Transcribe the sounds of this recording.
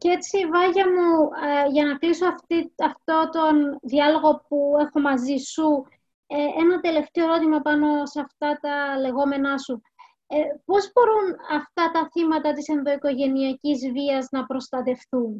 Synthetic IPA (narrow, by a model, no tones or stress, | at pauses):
cee̞t͡sivɐʝɐmuʝɐnɐklisoɐft̪iɐft̪o̞t̪o̞nðiɐlo̞ɣo̞pue̞xo̞mɐzisu | eenɐt̪e̞le̞ft̪eoɾot̪imɐpɐno̞sɐft̪ɐt̪ɐle̞ɣo̞me̞nɐsu | epo̞zbo̞ɾunɐft̪ɐt̪ɐθimɐt̪ɐt̪ise̞nðo̞iko̞ʝe̞niɐcizviɐznɐpɾo̞st̪ɐt̪e̞fθun